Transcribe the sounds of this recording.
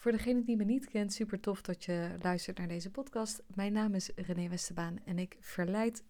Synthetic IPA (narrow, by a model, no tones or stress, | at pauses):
vʊːɹdəχejnəndimənitkɛntsypəɹtɔfdɑtjəlœɥstəɹtnaːɹdejzəpɔtkɑstmɛjnaːmɪsrənejʋɛstəbaːnɛnɪkfəɹlɛjt